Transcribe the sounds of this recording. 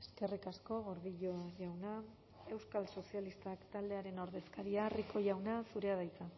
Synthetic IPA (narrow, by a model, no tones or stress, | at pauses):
eske̞rikasko̞ɣo̞ɾðiʎoʝawna | e̞wskalso̞sialist̪akt̪ald̪e̞aɾe̞no̞ɾðe̞skaɾiariko̞ʝawnasuɾe̞að̞ajt͡sa